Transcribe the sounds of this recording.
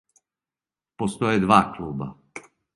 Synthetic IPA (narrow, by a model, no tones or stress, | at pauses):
post̪ɔjɛd̪ʋakluːba̰